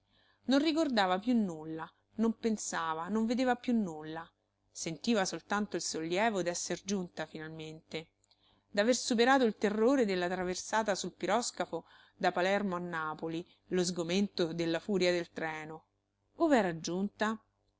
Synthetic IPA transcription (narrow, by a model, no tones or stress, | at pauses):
nonrikord̪aːvapjunːulːa | nompensaːvanoɱved̪eːvapjunːulːa | sent̪iːvasolt̪ant̪oilsolːjɛːvod̪ɛsːerd͡ʒunt̪afinalment̪e | d̪aversup̬eɾaːt̪̬oilt̪erːoːɾed̪elːat̪ɾaversaːt̪asulpiɾɔskafo | d̪apalɛrmoanːaːpoli | lozɡoment̪od̪elːafuːɾjad̪elt̪ɾɛːno | ovɛːɾad͡ʒunt̪a